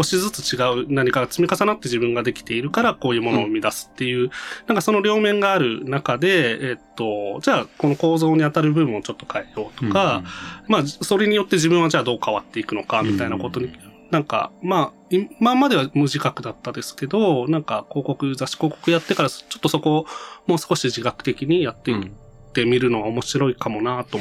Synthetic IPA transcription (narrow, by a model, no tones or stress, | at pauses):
ɡo̞ɕizɨt͡sɨ̥t͡ɕiɡaɯ̟naɲ̟ikaɡat͡sɨmʲikasanat̪ːe̞ʑibɯ̟̃ŋɡad̪e̞kʲi̥t̪e̞iɾɯ̟kaɾako̞ːjɯ̟ːmo̞no̞ːɯmʲid̪asɨ̥t̪ːe̞jɯ̟ːnãŋkaso̞no̞ɾʲo̞ːmẽ̞ŋɡaːɾɯ̟̰nakad̪e̞ːt̪ːo̞d͡ʑaːko̞no̞ko̞ːzo̞ːɲ̟iat̪aɾɯ̟bɯ̟̃ɰ̃ot͡ɕo̞t̪ːokʰaejo̞ːt̪okamaːso̞ɾe̞ɲ̟ijo̞t̪ːe̞ʑibɯ̟̃ɰ̃ad͡ʑaːd̪o̞ːkaβat̪ːe̞ikɯ̟no̞kamʲit̪ainako̞t̪o̞ɲ̟i | nãŋka̰maː | imamad̪e̞βamɯ̟ʑikakɯ̟d̪at̪ːad̪e̞sɨ̥ke̞d̪o̞nãŋkako̞ːko̞kɯ̟zaɕi̥ko̞ːko̞kɯjat̪ːe̞kaɾat͡ɕo̞t̪ːo̞so̞ko̞mo̞ːsɨ̥ko̞ɕiʑikakɯ̟̥t̪e̞kʲiɲ̟ijat̪ːe̞ | t̪e̞mʲiɾɯ̟no̞ɡaomo̞ɕiɾo̞ikamo̞nat̪o